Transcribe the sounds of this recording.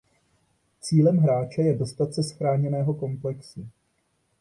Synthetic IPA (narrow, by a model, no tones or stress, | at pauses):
t͡siːlɛmɦɾaːt͡ʃɛjɛdo̞st̪at̪t͡sɛsxɾaːɲɛnɛːɦo̞ko̞mplɛksu